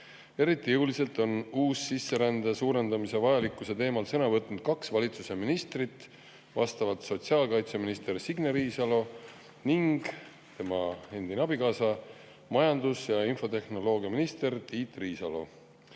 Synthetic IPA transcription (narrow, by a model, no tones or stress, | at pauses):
e̞ɾit̪ːˑijewlise̞lt̪ˑo̞nuːsːisːe̞ɾænd̪̥esuːɾe̞nd̪ɑmise̞vɑjɑlikːˑuse̞t̪e̞ːmɑlsɤnɑvɤt̪ˑnud̪̥̚kɑksvɑlʲit̪suse̞minist̪rit̪ːˑ | vɑ̰st̪ɑvɑlt̪so̞t̪siɑːlkɑjt̪seminist̪ersiɡneɾiːsɑlo̞ | niŋɡ̥ | t̪e̞mɑe̞nd̪inɑbikɑːsɑ | mɑjɑnd̪usjɑinfo̞t̪e̞hno̞lo̞ːɡiɑminist̪e̞rt̪iːt̪ˑriːsɑ̰lo̞̰